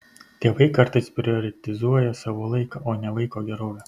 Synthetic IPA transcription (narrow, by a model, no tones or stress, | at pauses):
t̪ʲeːʋɐɪkɐɾt̪ɐɪspʲɾʲɪɔːɾʲɛt̪ʲɪzuɔjɛsɑːʋoːlˠɐɪkɐːʔoːnʲɛʋɐɪkoːɡʲɛɾoːʋʲɛː